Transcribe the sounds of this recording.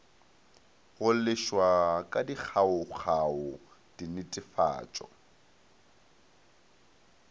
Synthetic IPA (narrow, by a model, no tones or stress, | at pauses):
ɣʊlɪʃwakʼadik͡xʰaʊχʰaʊ | d̥inɪtʼɪfa̰ːt͡ʃʼɔ̰